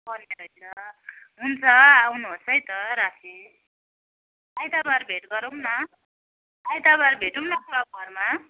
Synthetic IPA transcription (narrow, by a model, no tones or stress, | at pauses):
bʌneɾʌjnʌ | ɦunt͡sʰʌawnuɦosʌjt̪ʌɾasi | ajt̪abaɾbʱeʈɡʌɾumnʌ | ajt̪aβaɾbʱeʈumnʌkuɾabʌrma